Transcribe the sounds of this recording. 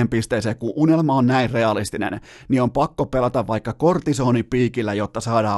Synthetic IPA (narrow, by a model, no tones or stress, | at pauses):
empist̪eːseːkkuʔʔunelmɑonnæirreɑlist̪inḛn | nio̞mpɑkːopelɑt̪ɑʋʋɑikːɑkort̪isoːnipiːkilːæjot̪ːɑsɑːdɑː